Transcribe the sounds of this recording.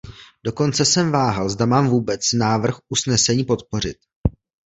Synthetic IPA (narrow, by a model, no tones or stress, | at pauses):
do̞ko̞nt͡sɛsɛmvaːɦalzdamaːmvuːbɛt͡snaːvr̩xʔusnɛsɛɲiːpo̞t̪̚po̞r̝ɪt̪̚